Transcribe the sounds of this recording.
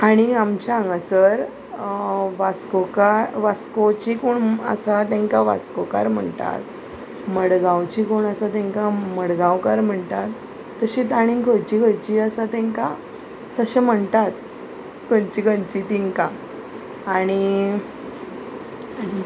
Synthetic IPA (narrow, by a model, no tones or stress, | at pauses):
aɽ̃iamt͡ɕaaŋɡasəɾ | ʋaskokaɾʋaskot͡ɕikoɳə̰sat̪ɛ̃ŋkaʋa̰skoka̰ɾm̤əɳt̪a̰t̪̚ | məɽɡãwt͡ɕikoɳəsat̪ɛ̃ŋkaməɽɡãwkaɾm̤əɳt̪at̪ː | əɕit̪aɽ̃ikʰəjt͡ɕiɡʱəjt͡ɕiːəsat̪ɛ̃ŋka | t̪əɕem̤əɳt̪at̪̚ | kənt͡ɕiɡənt͡ɕit̪iŋkã | aɽ̃i | ãi